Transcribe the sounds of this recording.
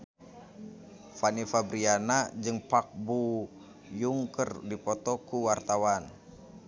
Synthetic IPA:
fanifabɾianad͡ʒɨŋpak̚bu | juŋkərdipɔt̪ɔkuwart̪awan

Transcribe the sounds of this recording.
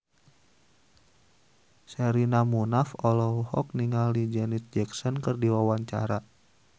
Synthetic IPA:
sɛɾinamunafɔlɔuhɔ̰k̚niŋalid͡ʒɛnit̪̚d͡ʒɛksɔnkɨrdiwawaɲt͡ʃa̰ɾa

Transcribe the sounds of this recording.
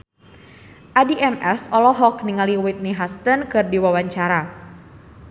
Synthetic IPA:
ʔadiʔɛmʔɛsɔlɔɦɔkniŋaliwit̪̚niɦast̪ənkɨrdiwawaɲt͡ʃaɾa

